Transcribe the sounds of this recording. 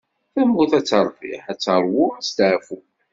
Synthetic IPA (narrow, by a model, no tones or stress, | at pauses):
θæmːuθæt͡sːəɾˤvḭħæt͡sːəɾˤwʊæst̪ʕfu